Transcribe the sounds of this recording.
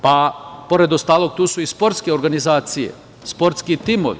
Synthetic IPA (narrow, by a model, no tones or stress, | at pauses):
papo̞ɾe̞d̪o̞st̪aːlˠo̞ɡ̚t̪uːsuispo̞ɾt̪skeoɾɡanizaːt̪sije̞̰ | spo̞ɾt̪skit̪imo̰ʋḭ